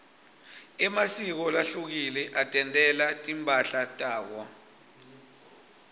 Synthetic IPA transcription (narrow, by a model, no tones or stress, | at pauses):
ɛmasik̬ɔlaɬuk̬ilɛʔatʼɛntʼɛlatʼimpʼaɬatʼaːk̬wɔ